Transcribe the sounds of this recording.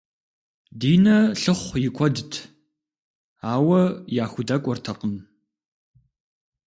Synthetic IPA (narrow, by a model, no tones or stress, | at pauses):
diːnɐɬɨχʷjɪkʷʰʼɔdɨtʰ | aːwɐjaːxʷʊdɐkʷʼɔrtʰɐqʼən